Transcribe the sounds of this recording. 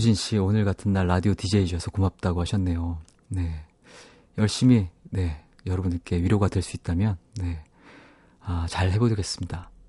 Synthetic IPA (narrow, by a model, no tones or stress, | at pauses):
ud͡ʑinɕ͈ionɯɭɡatʰɯnːaɭːadiotid͡ʑe̞id͡ʑʌsʰʌkomap̚t͈aɡohaɕʰʌnːe̞jo | ne̞ | jʌɭɕ͈imine̞ | jʌɾʌbunk͈e̞wɥiɾjoɡadwe̞ɭs͈uit̚t͈amjʌnːe̞ | at͡ɕaɭɦe̞bodɡe̞s͈ɯmɲida